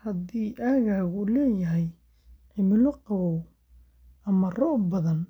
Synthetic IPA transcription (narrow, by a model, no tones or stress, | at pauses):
hɐd̪iːʔaːɣaːɣʊlɛːjɐɦɛj | ʕɪmɪlɔqɑβɔw | ɐmɐrɔːʔbɐðɐn